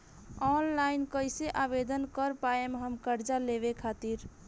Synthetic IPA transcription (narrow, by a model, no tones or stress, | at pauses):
ɔnlainkəjseʔabed̪ənkəɾpaemeɦəmkəɾd͡ʒaleβekʰat̪iɾ